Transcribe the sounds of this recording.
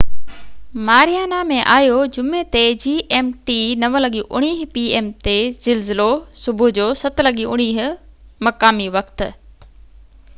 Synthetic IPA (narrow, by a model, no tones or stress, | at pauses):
maːɾijaːnamẽʔaːɦijod͡ʑʊmet̪ed͡ʑiːʔeːmʈinɐʋəlɐɠiʔʊɽ̃iːɦ̆piːeːmt̪ez̥ɪlzɪlosʊbʱʊd͡ʑoːsɐt̪lɐɠiʊɽ̃iːɦɪ̆mɐkaːmiʋɐkt̪ɪ̆